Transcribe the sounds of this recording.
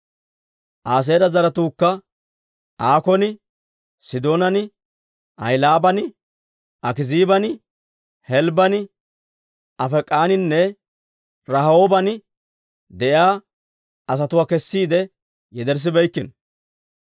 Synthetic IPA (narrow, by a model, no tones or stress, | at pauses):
ʔaːs̬e̞ːɾɐzɐɾɐt̪uːkːɐ | ʔaːkɔnɪ | sɪd̪o̞ːnɐnɪ | ʔɐ̰jlaːbɐnɪ | ʔɐkɪziːbɐnɪ | hɛlbɐnɪ | ʔɐfɛkʼːaːnɪnːɛ | ɾɐhoːbɐnɪ | d̪ɛʔjaː | ɐs̬ɐt̪ʊwaːkɛsːiːd̪ɛ | jɛd̪ɛɾs̬ɪbɛjkːɪn